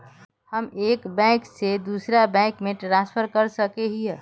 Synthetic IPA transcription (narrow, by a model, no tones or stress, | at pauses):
həmeːkbɛ̃ksed̪usɾabɛ̃kmeʈɾaspʰəɾkəɾsəkeɦiɦɛ